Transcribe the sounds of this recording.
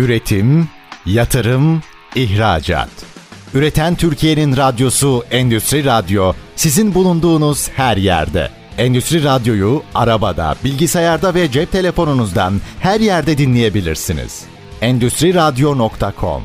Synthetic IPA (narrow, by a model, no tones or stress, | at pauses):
yɾe̞t̪ʰim | jat̪ʰɯɾɯm | içɾa̰ːd͡ʒa̰ːt̪yɾe̞t̪ʰænt̪ʰyɾcʰije̞ninɾad̪jo̞suɛnd̪yst̪ɾiɾad̪jo̞sizinbulˠund̪uːnuz̥hæɾjæ̰ɾd̪ɛ̰ | ɛnd̪yst̪ɾiɾad̪jo̞jua̰ɾabad̪a̰bilʲɟisajaɾd̪avɛd͡ʒɛp̚t̪ʰe̞lʲe̞fo̞nunuzd̪a̰nhæɾjæɾd̪ɛd̪inlʲeje̞bilʲiɾsinḭz̥ | ɛnd̪yst̪ɾiɾad̪jo̞nokt̪ʰakʰo̞̰m